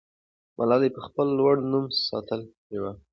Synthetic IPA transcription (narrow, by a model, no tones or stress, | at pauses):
mʔalɑlepəxpəlːwaɽnumsɑ̰t̪əl | ewa